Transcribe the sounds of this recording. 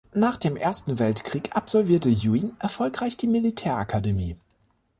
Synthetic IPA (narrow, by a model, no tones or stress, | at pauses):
naːχd̥eːmʔeːɐstn̩vɛltkʁ̥iːkʔapz̥ɔlviːɐtəjuinʔɛɐfɔlkʁ̥aɪçd̥iːmilitʰɛːɐʔakʰademiː